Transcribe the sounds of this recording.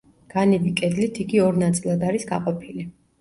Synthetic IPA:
ɡ̥anibikʼɛd̪lit̪ʰiɡiɔɾnat̪sʼilˠad̪aɾisɡaqʼɔpʰili

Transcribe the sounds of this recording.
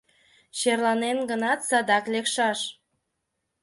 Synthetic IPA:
ɕerlɑnenɡənɑt̪sɑd̪ɑklekʃɑʃ

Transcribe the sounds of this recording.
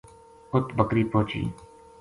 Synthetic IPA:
ʊt̪bəkɾiːpoːt͡ʃḭː

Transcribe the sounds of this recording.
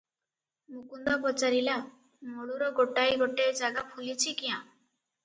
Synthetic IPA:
mũkund̪ɔpɔt͡ʃaɾila | mɔɭuɾɔɡoʈajɡɔʈed͡ʒaɡapʰulit͡ʃʰikiã

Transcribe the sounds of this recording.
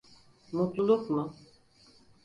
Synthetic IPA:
mut̪lˠulˠukmʊ

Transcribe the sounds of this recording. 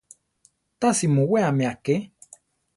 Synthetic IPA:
t̪asimũweamẽake

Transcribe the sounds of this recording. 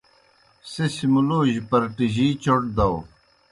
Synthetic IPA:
sesimuloːʑpɐɾʈiʑiːt͡ɕoʈ̚d̪ɐw

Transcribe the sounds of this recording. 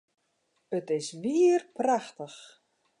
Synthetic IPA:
ətɪsʋiərpraxtəx

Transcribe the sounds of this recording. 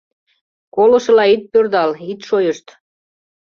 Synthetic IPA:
kolŏʃɤ̆lɑit̪̚pørd̪ɑlit̪ʃojəʃt̪

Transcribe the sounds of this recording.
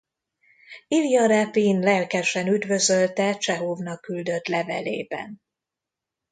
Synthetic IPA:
ilijɒɾɛpinlɛlkɛʃɛnyd̪vø̞zø̞lt̪ɛt͡ʃɛɦoːvnɒkːyld̪ø̞t̪lɛvɛlḛːbɛ̰n

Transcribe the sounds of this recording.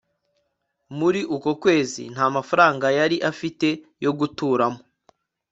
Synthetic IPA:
muɾiʔukokwe̞ːzḭn̥haːmafaɾaːŋɡajaɾiʔafite̞jo̞ɡutuːɾamo

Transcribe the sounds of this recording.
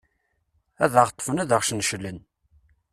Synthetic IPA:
æðəʁt̪ˤːfənæðəʁʃnʃəlːən

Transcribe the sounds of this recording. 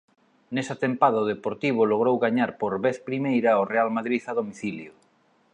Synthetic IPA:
nesat̪empaðaoð̞epoɾt̪iβ̞ʊloɣ̞ɾowɣaɲaɾpoɾβeθpɾimejɾɐorealmaðɾiθaðomiθiljo

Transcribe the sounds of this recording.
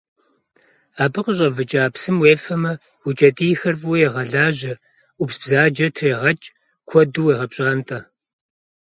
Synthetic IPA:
aːbɨqəɕʼɐvɨt͡ʃʼaːpsɨmweːfɐmɐ | wut͡ʃʼɐtʼijxɐrfʼwjɛʁɐɮaːʑɐ | upsb̥zaːd͡ʒɐtʰreːʁɐt͡ʃʼ | kʷʰɔduweːʁɐpɕʼaːntʼɐ

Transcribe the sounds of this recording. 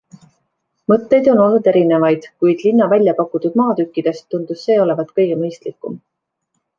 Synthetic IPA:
mɤt̪ːe̞jd̪̥o̞no̞lnud̪e̞ɾine̞vɑjd̪̥kujd̪̥linːɑvælʲjɑpɑkːut̪ud̪̥̚mɑːt̪ykːid̪̥e̞st̪ːund̪̥usːe̞ːo̞le̞vɑt̪kɤjɡ̥emɤjst̪likːˑum

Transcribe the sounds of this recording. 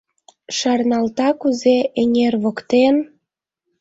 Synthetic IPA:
ʃɑrnɑlt̪ɑkuzeʔeŋʲerβokt̪en

